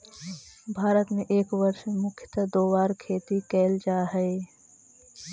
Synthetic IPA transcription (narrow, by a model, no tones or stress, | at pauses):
bʱaːɾət̪mẽʔeːkwəɾʃemʊkʰjə̥t̪ad̪oːwaːɾkʰeːt̪ikɛːld͡ʒaːɦɛe